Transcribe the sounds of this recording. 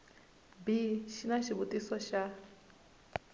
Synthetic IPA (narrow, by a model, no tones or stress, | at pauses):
biʃinaʃiβutʼisɔʃa